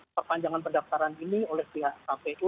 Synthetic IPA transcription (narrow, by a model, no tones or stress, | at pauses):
pərpaɲd͡ʒaŋanpərdaft̪aɾaniniolɛhpiɦaʔsampɛt